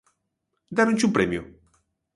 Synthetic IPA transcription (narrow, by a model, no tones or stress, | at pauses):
d̪aɾũɲʲt͡ʃupɾemju